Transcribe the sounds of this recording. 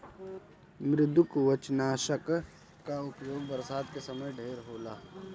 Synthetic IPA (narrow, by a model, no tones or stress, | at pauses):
mɾɪd̪ʊkʋət͡ʃnaːʃək | kːaʊpjoːɡ̚bəɾsaːd̪kesɐməjɖʱeːɾɦoːlaː